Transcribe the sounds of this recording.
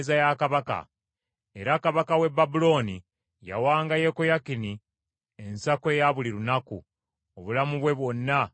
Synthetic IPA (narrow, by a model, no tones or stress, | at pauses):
zajakaβaka̰ | e̞ɾakaβakawe̞bːabulo̞ːni | ja̰waːŋɡaje̞kojakini | e̞nsakwe̞jaβuliɾunaku | oβulamuβwe̞βwo̞nːa